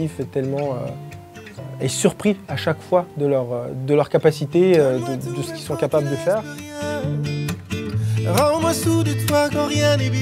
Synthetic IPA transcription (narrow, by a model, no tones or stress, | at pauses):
ifɛt̪ɛlmɑ̃ø̰ | ɛ̰̃ɛsyʁpχiaʃakfwad̪əlœʁød̪əlœʁkapasit̪eød̪əd̪əsə̥kʲi̥lsɔ̃kapabləd̪əfɛːʁ | ʁaɔ̃mãsud̪yt̪fwakɔ̃ʁjɛ̃nev